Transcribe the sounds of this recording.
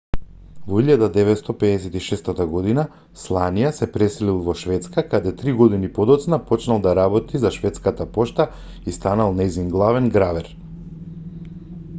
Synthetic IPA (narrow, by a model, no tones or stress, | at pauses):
vɔiʎad̪ad̪ɛvɛt̪st̪ɔpɛɛsɛt̪iʃɛst̪at̪aɡɔd̪ina | slˠanijasɛpɾɛsɛlilˠvɔʃvɛt̪skakad̪ɛt̪ɾiɡɔd̪inipɔd̪ɔt̪snapɔt͡ʃnalˠd̪aɾabɔt̪izaʃvɛt̪skat̪apɔʃt̪a | ist̪analˠnɛjzinɡlˠavɛnɡɾavɛɾ